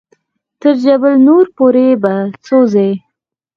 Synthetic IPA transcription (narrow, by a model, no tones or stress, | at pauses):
t̪əɾd͡ʒabəlnoɾpoɾebat͡soze